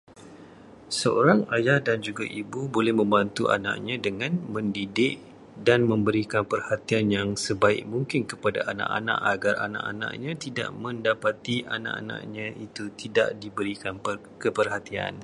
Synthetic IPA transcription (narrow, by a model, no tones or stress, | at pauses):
səo̰ɾaŋajahdand͡ʒuɡaʔibubolɛhmə̃mbant̪ua̰nã̰ʔɲãdəŋãnmə̃ndidɪʔ | danmə̃mbəɾikanpərhat̪ianjaŋsəbaɪ̰ʔ̚muŋkɪnkəpada̰ʔana̰ʔa̰nã̰ʔaɡara̰nã̰ʔa̰nã̰ʔɲãt̪ida̰ʔmə̃ndapat̪iʔa̰nã̰ʔa̰nã̰ʔɲãʔit̪ut̪ida̰ʔdibəɾikan | kəpərhat̪ia̰n